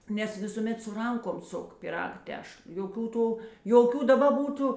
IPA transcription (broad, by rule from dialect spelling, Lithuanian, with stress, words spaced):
nʲɛs ˈʋʲɪsuːˌmʲɛt sʊ ˈrɐŋkoːm ˈsʊk pʲiːˈrɐk ˈtʲɛʃlˠ joːˈkʲuː ˈtuː joːˈkʲuː dɐˈbɐ ˈbuːtʊ